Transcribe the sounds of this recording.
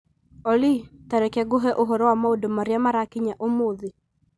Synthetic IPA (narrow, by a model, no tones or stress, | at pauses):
ɔlitaɾɛkɛɡoɦɛʔoɦɔɾɔwamaodomaɾeamaɾakiɲaʔomoði